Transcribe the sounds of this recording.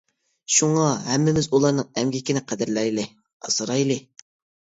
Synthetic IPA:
ʃuŋɑɦɛmːɪmɪzulˠɑɾnɨŋɛmɡʲikʲinɪqʰæd̪ɪɾlɛɾlɪ | ɑsɨɾɑjlˠɨ

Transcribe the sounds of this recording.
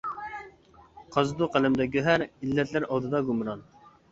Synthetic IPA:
qʰɑzd̪uqʰælɪmd̪ɛɡʲøɦæɾilːɛt̪ʰlɪɾɑlˠd̪ɨd̪ɑɡumɾɑn

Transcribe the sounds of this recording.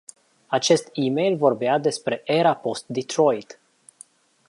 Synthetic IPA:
at͡ʃe̞st̪imejlvo̞rbead̪e̞spɾe̞ʔeɾapo̞st̪̚d̪it̪ɾo̞jt̪

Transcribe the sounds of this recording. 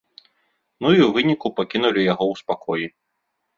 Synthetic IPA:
nuiwvɨnʲikupakʲinulʲijaɣɔwspakʰɔji

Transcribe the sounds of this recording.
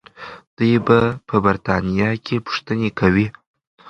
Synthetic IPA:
d̪̥əjbapʰəbaɾt̪ʰanijɑkʰʲepʰʊ̥ʂt̪ənekʰawi

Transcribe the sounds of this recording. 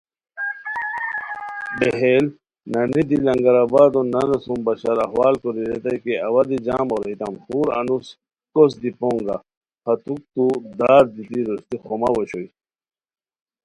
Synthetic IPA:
beɦel | nɐnid̪ilɐŋɡɐɾabaːd̪onɐnɐsumbɐɕɐɾɐɦwaːlkoɾiɾet̪ɐjkeɐwɐd̪id͡ʑaːmɔɾit̪ɐmxuːɾɐ̰nus | kosd̪ipoŋɡa̰ | hɐt̪uk̚t̪ud̪aːɾd̪it̪iɾost̪ixoma̰woɕoj

